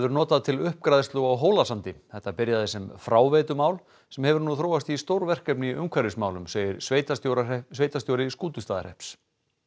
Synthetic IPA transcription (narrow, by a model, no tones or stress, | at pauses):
ɛvʏɾnɔːt̪aðt̪ʰɪlʏhp̚kɾajðst̪loɣawɦoːwlasant̪ɪθɛht̪ːapɪɾjaðɪsɛmfɾaːwveːt̪ʏmaːwl | sɛmhɛvʏɾnuθɾoːwast̪ist̪owɾvɛr̥kɛpnɪʔʏmkʰvaɾɪsmaːwlʏmseːjɪɾsvejt̪at̪jowɾasveːjt̪ast̪jowɾɪskuːt̪ʏst̪aːða̰ɾ̥ɛ̰hps